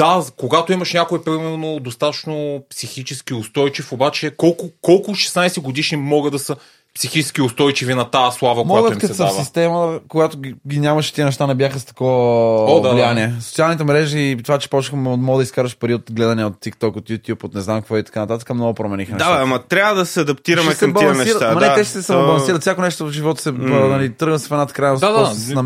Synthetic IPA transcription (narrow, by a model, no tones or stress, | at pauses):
d̪̥akoɡat̪oimɐʃnʲakoipɾimɛɾnod̪ost̪at̪ət͡ʃnopsixit͡ʃɛskʲiʊst̪ɔjt͡ʃifobat͡ʃɛkɔlˠkʊkɔlˠkʊʃɛ̥snajsɛɡod̪iʃnimɔɡəd̪ɐsə | psixit͡ʃɛ̥skʲiʊst̪ɔjt͡ʃivinɐt̪aslˠavɐkmoɔjaɡət̪iimkɐtsɛsəasist̪ɛməkoɡat̪oɡʲinʲamɐʃt̪iənɛʃt̪anɛbʲjaxəst̪ɐ̥kɔvəlijaniɛsot̪sialˠnit̪ɛmɾɛʒiːt̪ovat͡ʃɛ̥pɔt͡ʃxmɔɡd̪ɐiskaɾəʃpɐɾiot̪ɡlɛd̪ɐniəot̪ːikt̪ɔkot̪jut̪ʲjupot̪nɛznamkvɔit̪ɐ̥kanɐt̪at̪ə̥kəmnɔɡopɾomɛnixənɛaaamɐt̪ɾʲavəd̪ɐsɛɐd̪ɐp̚t̪iɾɐmɛsɛmbɐliɐnnɛiət̪amɐnɛɛʃɛ̥sɛsaobɐlˠɐ̃nsiɾɐt̪fsjakonɛʃt̪oʒivɔt̪o̥sɛnɐlit̪ɾɤɣət̪sɛ̥fɛd̪at̪kɾajnsasɛsnɐ